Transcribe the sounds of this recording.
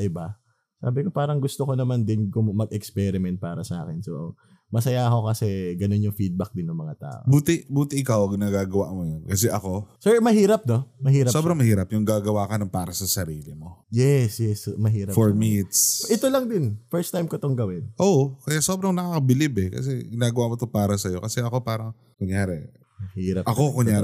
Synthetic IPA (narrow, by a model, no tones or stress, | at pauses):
ʔɪba | sa̰ːbɪko̞paːɾɐŋɡʊst̪oko̞nɐmand̪ɪnkommɐɡɛkspɛɾɪmɛnt̪̚paːɾɐsɐʔa̰ːkɪnso | mɐsɐjaʔɐko̞kɐsɛɡɐno̞njʊŋfid̪̚bɐk̚d̪ɪnːʊŋmɐŋat̪a̰ːʔo̰buːt̪ɪbuːt̪ɪʔɪkawɐɡnaɡaːɡɐwaʔmojɐnkɐsɛʔɐko̞sɛɹmɐhiːɾɐp̚no̞mɐɦiːɾɐso̞bɾɐŋmɐhiːɾɐpjʊŋɡaːɡɐwaːkɐnɐŋpaːɾɐsɐsɐɾiːlɪmo̞jɛsjɛsmɐɦiːɾɐfoɹmiʔɪt̪sʔɪt̪olɐŋd̪ɪnfɛɹst̪ajmkot̪oŋɡɐwɪnʔoʔkɐjaʔsoːbɾɐŋnɐkaːkɐbɪlibɛkɐ̰s̬ɛɡɪnaːɡɐwaʔmot̪opaːɾɐsɐjo̞kɐsɛʔɐko̞paːɾɐŋ | kʊɲjaːɾɛ | mɐhiːɾɐpʔɐkokoɲɲaːɾ